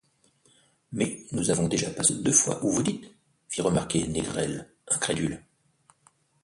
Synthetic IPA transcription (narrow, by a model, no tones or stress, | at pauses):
mɛnuzavɔ̃d̪eʒapasd̪øfwa̰ʔuvud̪it̪ | fiʁəmaʁkʲeneɡʁɛl | ɛ̃kχed̪yl